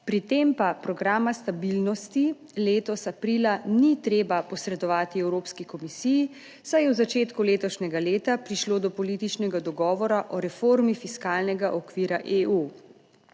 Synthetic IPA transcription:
pɾit̪eːmpapɾɔɡɾaːmast̪abilnɔst̪i | leːt̪ɔsapɾiːlanit̪ɾeːbapɔsɾɛd̪ɔʋaːt̪iɛwɾoːpskikɔmisiji | sajɛwzat͡ʃeːt̪kuleːt̪ɔʃnɛɡaleːt̪apɾiʃloːd̪ɔpɔliːt̪it͡ʃnɛɡad̪ɔɡɔːʋɔɾaʔɔɾɛfoɾmifiskaːlnɛɡaʔɔkʋiːɾaʔeʔu

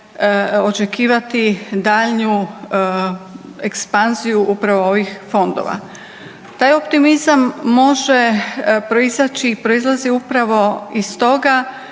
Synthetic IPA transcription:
o̞t͡ʃe̞kiːʋat̪id̪aːʎɲu | ekspanzijuʔupɾaʋooʋixfo̞nd̪o̰ʋa̰ | t̪aːjo̞pt̪imizamːo̞ʒepɾo̞izat͡ʃiːpɾo̞izlˠaziupɾaʋo̞ist̪o̞ɡa

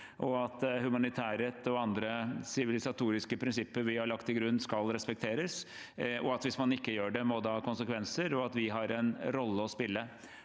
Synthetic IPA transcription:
ʔɔɑt̪hʉmɑnɪt̪ʰæːɾət̪ɔɑnd̪ɾəsɪʋɪlɪsɑt̪ʰuːɾɪskəpʰɾɪnsɪpːəɾʋɪhɑɭɑkt̪ɪɡɾʉnːskɑlɾɛspɛk̚t̪ʰeːɾəs | ɔɑt̪ʋɪsmɑnɪkːəjøːɖɛmɔd̪ɑːkʊnsəkʰʋɛnsəɾɔɑt̪ʋɪɦɑɾɛnɾɔlːəɔspɪlːə

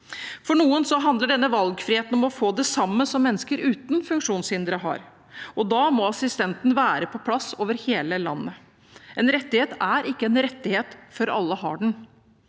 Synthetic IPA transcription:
fɔɳuːənsɔɦɑnd̪ləɖɛnːəʋɑlɡfɾɪheːt̪nɔmɔfoːd̪ɛsɑmːəsɔmːɛnːəskəɾʉːt̪nfʉŋkʂuːnshɪnd̪ɾəɦɑ̰ːɾ | ɔd̪ɑːmɔɑsɪst̪ɛnt̪n̩ʋæːɾəpʰɔpʰlɑsːoːʋəɾheːləlɑ̰nːə | ʔɛnɾɛt̪ːɪheːt̪æɾɪkːəɛnɾɛt̪ːɪheːt̪fɔɾɑ̰lːəɦɑ̰ːɖɳ̩

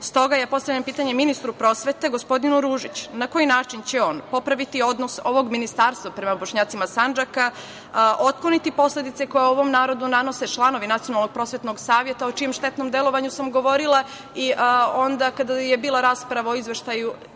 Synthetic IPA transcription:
st̪o̞ɡajapo̞st̪aʋʎampiːt̪aɲeminist̪ɾupɾo̞ːsʋe̞t̪e̞ɡo̞spo̞d̪inuɾuːʒit͡ɕnako̞jinaːt͡ʃint͡ɕeo̞ːnpo̞pɾaʋit̪io̞d̪noso̞ʋo̞ɡminist̪aːɾst̪ʋapɾe̞maboʃɲaːt̪simasand͡ʒaka | ʔo̞t̪̚klˠonit̪ipo̞sle̞d̪it̪se̞ko̞jauoʋo̞mnaːɾo̞d̪unano̞se̞t͡ʃlˠano̞ʋinat̪sijo̞nalˠnoɡ̚pɾo̞ːsʋe̞t̪no̞ɡsaːʋjet̪aot͡ʃije̞mʃt̪e̞t̪nomd̪e̞lˠo̞ʋaɲusamɡo̞ʋo̞ɾilˠa | iʔo̞nd̪akad̪ajebiːlˠaɾaːspɾaʋao̞izʋeʃt̪aju

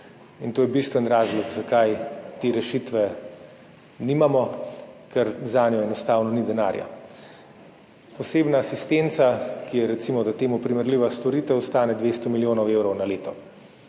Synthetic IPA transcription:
int̪oːjɛbist̪ʋɛnɾaːzlɔɡzakajt̪eːɾɛʃit̪ʋɛ | niːmamɔkɛɾzaːnjɔɛnɔst̪aːwnɔnid̪ɛna̰ːɾja̰ | pɔseːbnaːsist̪ent̪sakijɛɾɛt̪simɔd̪at̪eːmupɾimɛɾliʋast̪ɔɾit̪ɛɔst̪aːnɛd̪ʋeːst̪ɔmiljoːnɔwewɾɔwnaleːt̪ɔ

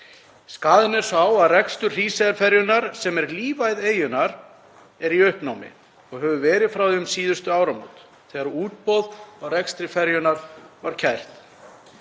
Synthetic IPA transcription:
skaːðɪnɛɾ̥sawaðrɛkst̪ʏ̥r̥iːsɛðɾfɛɾjʏnaɾ̥sɛmɛɾliːvajðeːjʏnaɾ | ɛɾiʏhpnaːwmɪ̰ | ɔɣɦœvʏvɛːɾɪðfɾawðʏmsiːðʏst̪ʏaːwɾamo̰wt̪ | θɛːɣaɾɔuːt̪̚pɔðɔɣrɛkst̪ɾɪfɛɾjʏnaɾvaɾ̥cʰɛjr̥t̪

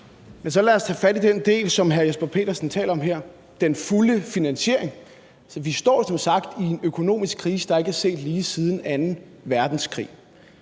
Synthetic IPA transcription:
mensɒ̽læɒst͡sʰɛ̰ːfæd̥id̥end̥e̝̰ːlsɒ̽mɦæɐjosb̥ɐpʰe̝̰ːdɐsn̩t͡sʰɛ̰ːlɒ̽mɦeɐ̰ | d̥enfuləfinænɕe̝ɐ̰e̝ŋ | sɒʋisd̥ɒ̰ːsɒ̽msɑ̈ɡ̥d̥ie̝nøkʰo̝no̝̰ːmisɡ̥kʰʁiːsəd̥ɑ̈e̝ɡ̥hæse̝̰ːd̥liːsið̞ˠn̩ænn̩ | ʋæɐd̥n̩skʰʁḭː

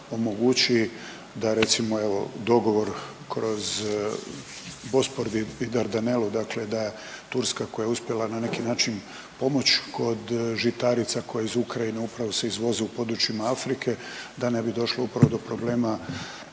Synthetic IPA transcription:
o̞mo̞ɡut͡ɕi | d̪aɾe̞t̪simo̞e̞ʋo̞d̪o̞ɡo̞ʋo̞ɾ | kɾo̞z | bo̞spoɾd̪iid̪aɾd̪anelud̪akle̞d̪aje | t̪uɾskako̞jaeuspje̞lˠananekinaːt͡ʃin | po̞mo̞t͡ɕkʰo̞d̪ʒit̪aɾit̪sako̞jaizukɾajineupɾaʋo̞se̞izʋo̞zeupo̞d̪ɾut͡ʃimaafɾikʰe̞d̪ane̞bid̪o̞ʃloupɾaʋo̞d̪o̞pɾo̞ble̞ːma

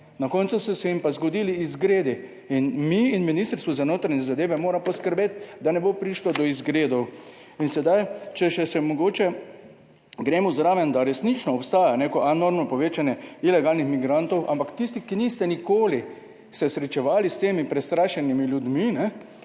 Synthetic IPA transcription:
nakɔnt̪susɔsɛimpazɡɔd̪iːliːzɡɾeːd̪i | inmiːnminiːst̪əɾst̪ʋuzanoːt̪ɾaɲɛzad̪eːʋɛmoːɾampɔskəɾbeːt̪d̪anɛbopɾiːʃlɔd̪ɔizɡɾeːd̪ɔw | insɛd̪ajt͡ʃɛʃɛsɛmɔɡoːt͡ʃɛ | ɡɾeːmɔzɾaːʋɛnd̪aɾɛsnit͡ʃnɔːpst̪aːjaneːkɔʔanoɾmnɔpɔʋeːt͡ʃanjɛilɛɡaːlnixmiɡɾant̪ɔwʔa̰mpakt̪ist̪ikiniːst̪ɛnikoːli | sɛsɾɛt͡ʃɛʋaːlist̪eːmipɾɛst̪ɾaːʃɛnimiljud̪minɛ

